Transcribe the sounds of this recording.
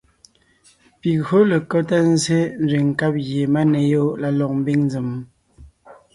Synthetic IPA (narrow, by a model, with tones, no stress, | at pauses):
pi˨o˦lə˨kɔ˦ta˦n˦ze˦n˦ze˨ŋ̩˨ka˦p̚ɣje˨ma˦ne˨jo˦la˨lɔ˨k̚m̩˦bi˦ŋnd͡zi˨m˨